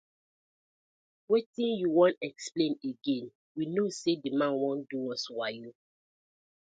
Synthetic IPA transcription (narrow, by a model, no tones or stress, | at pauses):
wetĩnjuwɔ̃ntɛksplẽneɡẽn | winosedimãnwɔ̃nduɔswaju